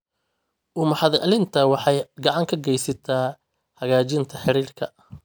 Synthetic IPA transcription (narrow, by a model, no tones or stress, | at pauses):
ʔʊmɑħɑðɛʔɐlɪnt̪ʰɐwɑħɑjɡɐʕɑŋkʰɐɡɛjsɐt̪ʰaː | hɐɣaːt͡ʃɪnt̪ʰɐħɪɾiːrkʰɐ